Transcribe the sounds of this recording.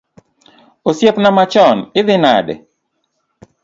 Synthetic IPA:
osjepnamat͡ʃɔnɪðɪna̰dɛ̰

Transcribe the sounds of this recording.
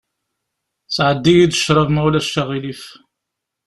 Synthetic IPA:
sʕəd̪ːijid̪əʃːɾˤəvmæwlæʃæʁilif

